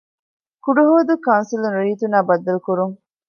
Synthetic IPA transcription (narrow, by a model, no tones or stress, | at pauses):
kuɖuɦoːd̪ukɐwnsilunɾiːt̪unaːbɐd̪ːɐlkuɾuŋ